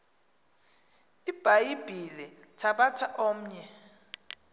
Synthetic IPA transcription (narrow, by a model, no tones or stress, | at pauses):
ib̥ʱajib̥ʱilɛtʰaɓatʰaʔoːm̩ɲɛ